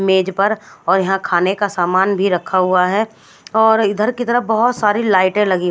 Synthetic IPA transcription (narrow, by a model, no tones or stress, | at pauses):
meːd͡ʒpɐɾɔːɾjɐɦãkʰaːnekasaːmaːnbʱiɾɐkʰːaɦuaɦɛ | ɔːɾɪd̪ʱəɾkit̪əɾəbɐɦʊt̪saːɾilaːɪʈẽlɐɡi